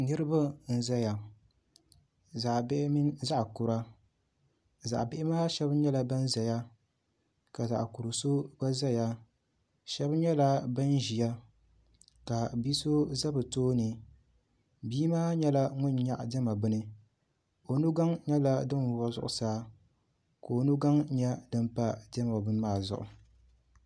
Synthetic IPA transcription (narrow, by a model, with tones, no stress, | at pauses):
nɨ˦ɾɨ˦ba˦n̩˦za˦ja˨ | za˨ʔbɪ˦ʔmi˦za˦ʔkʊ˨ɾa˦ | za̰˨ʔbɪ˦ʔɪ˦maː˦ʃɛ˦bɲɛ˦la˨ba˦n˦za˨ja˦ | ka˨za̰˨ʔku˨ɾɨ˨so˦ba˦za˦ja˦ | ʃɛ˦bɲɛ˦la˦ba˦n˦ʒi˨ja˦ | ka˨bi˦so˦za˦bɨ˨toː˦nɨ˨ | biː˦maː˦ɲɛ˦la˦ŋʊ˦ɲɲa˦ʔdɛ˦ma˨bʊ˦nɨ˦ | o˨nu˦ɡa˦ŋɲɛ˦la˦dɨ˦n˨a˦zʊ̰˦ʔʊ˨saː˦ | ko˨nu˦ɡa˦ŋɲɛ˦dɨ˦mpa˦dɛ˦ma˨bʊ˦n˦maː˦˨zʊ̰˨ʔʊ̰˨